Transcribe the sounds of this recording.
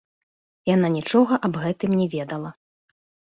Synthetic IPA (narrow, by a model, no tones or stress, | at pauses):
jananʲit͡ʂɔɣɐʔɐbɣɛt̪ɨmnʲɛvʲɛd̪ɐlˠɐ